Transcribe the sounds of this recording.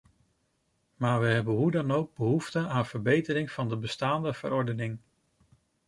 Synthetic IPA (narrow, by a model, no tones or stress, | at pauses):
maːɹʋəɦɛbənɦudɑnowɡ̚bəɦuftəaːnv̥əɹbejtərɪŋv̥ɑndəbəstaːndəv̥ə̰ɾɔɹdənɪŋ